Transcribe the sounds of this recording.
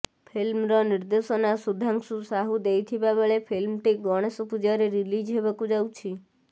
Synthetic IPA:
pʰilmɾɔnɪɾd̪esonasud̪ʱãŋksũsaɦud̪ejt̪ʰibabəɭepʰilmʈ̪iɡɔɽ̃esɔpud͡ʒaɾiɾilid͡ʒɦebəkũd͡ʒawt͡ʃʰi

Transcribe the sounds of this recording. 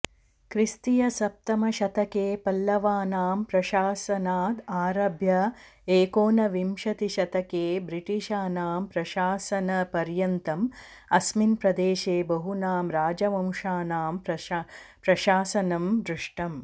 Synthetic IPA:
kɾist̪ijɐsɐp̚t̪ɐmɐʃɐt̪ɐkeːpɐlːɐʋaːnaːmpɾɐʃaːsɐnaːd̪aːɾɐbʱjɐ | eːkoːnɐʋimʃɐt̪iʃɐt̪ɐkeːbɾiʈiʃaːnaːmpɾɐʃaːsɐnɐpɐɾjɐnt̪ɐm | ɐsminpɾɐd̪eːʃeːbɐɦunaːmɾaːd͡ʒɐʋɐmʂaːnaːmpɾɐpɾɐʃaːsɐnɐmd̪ɾɪʂʈɐm

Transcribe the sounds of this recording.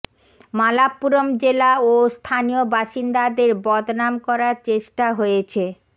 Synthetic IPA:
malapːuɾomd͡ʑelaost̪ʰanijobaʃind̪ad̪eɾbɔd̪namkɔɾaɾt͡ɕeʃʈaɦojet͡ɕʰe

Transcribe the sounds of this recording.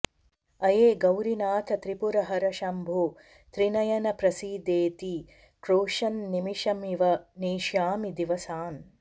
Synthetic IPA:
ɐjeːɡɐwɾinaːt̪ʰɐt̪ɾipuɾɐɦɐɾɐʃɐmbʱoː | t̪ɾinɐjɐnɐpɾɐsiːd̪eːt̪i | kɾoːʃɐnːimiʃɐmiʋɐneːʃjaːmid̪iʋɐsaːn

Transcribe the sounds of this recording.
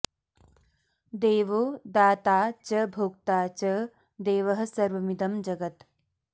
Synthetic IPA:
d̪eːʋoːd̪aːt̪aːt͡ʃɐbʱoːk̚t̪aːt͡ʃɐ | d̪eːʋɐɦɐ̆sɐɾʋɐmid̪ɐmd͡ʒɐɡɐt̪

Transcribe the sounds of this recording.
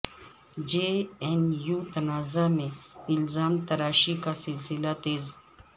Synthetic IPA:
d͡ʒeːenjuːt̪ɐnaːzamẽɪlzaːmt̪ɐɾaːʃikasɪlsɪlat̪eːz

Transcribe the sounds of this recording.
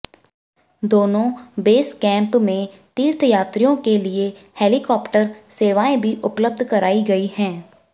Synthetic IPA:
d̪oːnõbeːskɛ̃ːmpmẽ | t̪iːɾt̪ʰjaːt̪ɾijõkelieheːlikɔːpʈəɾseːʋaːẽbʱiʔʊpləb̚d̪ʱkəɾaːiɡɐihɛ̃ː

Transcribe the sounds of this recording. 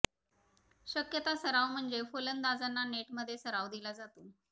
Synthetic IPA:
ɕəkjət̪asəɾaʋm̤əɳd͡ʑefolənd̪ad͡zanːaneʈməd̪ʱːjesəɾaʋd̪ilad͡zat̪o

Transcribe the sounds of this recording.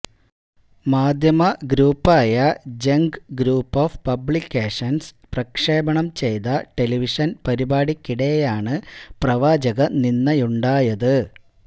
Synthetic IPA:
maːd̪ʱjɐmɐɡɾuːpːaːjɐd͡ʑeŋɡɡɾuːpːoːfpɐbɭikʲːeːʂɐns | prɐkʂe̞ːbɐɳɐmt͡ɕe̞jt̪ɐʈe̞liʋiʂɐnpɐɾibaːɽikʲːiɽejaːɳɨprɐʋaːd͡ʑɐɣɐninːɐjuɳɖaːjɐðɨ

